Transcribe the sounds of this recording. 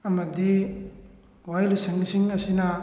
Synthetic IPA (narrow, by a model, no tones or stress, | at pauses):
ɐmɐdi | wajlusɐŋisiŋɐsinɐ